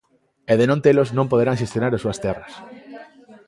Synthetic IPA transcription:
eðenõnt̪eloznõmpoð̞eɾãŋʃest̪jonaɾasuɐst̪ɛrɐs

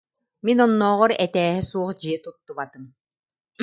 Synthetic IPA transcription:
minɔnːɔːʁɔɾɛt̪ɛːɦɛsuɔχd͡ʑiɛt̪ut̪ːuβat̪ɯm

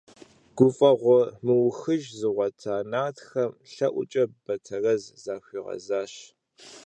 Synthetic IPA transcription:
ɡ̥ʷʊfʼɐʁʷɔmɨwʊxɨʒzɨʁʷɐtʰaːnaːtxɐmɬɐʔʷʊ̰t͡ʃʼɐb̥ɐtʰɐrɐzzaːɕʷiːʁɐ̰zaːɕ

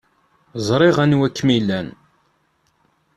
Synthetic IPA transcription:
zˤɾˤɪʁænwækːmilːæn

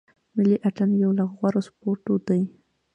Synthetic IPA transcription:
mɪliʔaʈanjawlaɣɣwaɾospoɾʈod̪aj

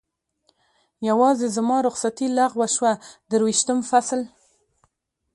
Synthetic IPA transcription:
jawɑzezəmɑɾʊxsat̪ilaɣwaʃwad̪əɾwiʃt̪əmfasl

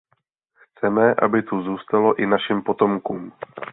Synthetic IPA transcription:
xt͡sɛmɛʔa̰bɪt̪uzuːst̪alo̞ʔɪnaʃimpo̞t̪o̞mkuːm

